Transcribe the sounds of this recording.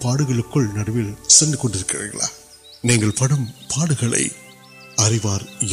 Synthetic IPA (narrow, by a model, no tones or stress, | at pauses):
paːɽɯɣɐɭɯkːɯɭnɐɽɐʋɪlsɛnd̪ɯkɔɳɖɪɾɯkːɪrɐ̰ɐ̰ɭa̰ː | niːŋɡɐɭpɐɽɯmpʰaːɽɯɣɐɭɐ̰ɪ | ɐrɪʋaːɾ